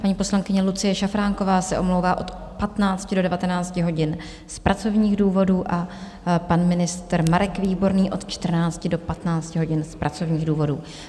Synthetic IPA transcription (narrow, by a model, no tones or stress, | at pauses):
paɲiːpo̞slaŋkɪɲɛlut͡sɪjɛʃafɾaːŋko̞vaːsɛʔo̞mlowvaːʔo̞t̪ | pat̪naːt͡scɪdo̞dɛvat̪ɛnaːt͡scɪɦo̞ɟɪn | spɾʔat͡so̞vɲiːɣduːvo̞duːʔa | panmɪnɪst̪ɾmaɾɛkviːbo̞ɾniːʔo̞t̪t͡ʃt̪r̩naːt͡scɪdo̞pat̪naːt͡scɪɦo̞ɟɪnspɾat͡so̞vɲiːɣduːvo̞duː